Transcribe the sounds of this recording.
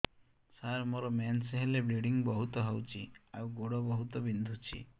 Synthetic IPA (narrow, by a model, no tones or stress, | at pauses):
saɾmoɾɔmanseɦelebɾeɽiŋbɔɦut̪ɔɦɔwt͡ʃʰiawɡoɽɔbɔɦut̪ɔbind̪ʱut͡ʃʰḭ